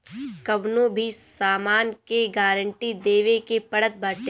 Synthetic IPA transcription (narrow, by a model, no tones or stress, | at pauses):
kɐʋnõbʱisaːmaːnkeɡaːɾə̃ɳʈid̪eːʋekepɐɽət̪̚bɐːʈ̪e